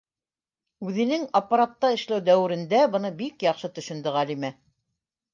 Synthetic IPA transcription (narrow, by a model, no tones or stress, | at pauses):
ʉðɘ̆nɘŋɑpːaɾat̪ːɑɘ̆ʃlæwd̪æwɘ̆ɾɘ̆nd̪æbɤ̆nɤbikjɑqʃɤt̪ɵ̆ʃɵ̆nd̪ɘʁælimæ